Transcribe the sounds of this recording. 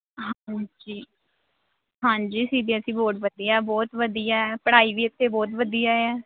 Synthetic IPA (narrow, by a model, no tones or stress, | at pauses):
ɦãd͡ʒiː | ɦãːɲd͡ʒiːsiːd̪eːəsĩːboːʈʋəd̪ijaɛːbɔːt̪ʋəd̪ijaːɛːpəɽaːiːʋiːɪt̪ʰːeːbɔːt̪ʋəd̪ijaːɛː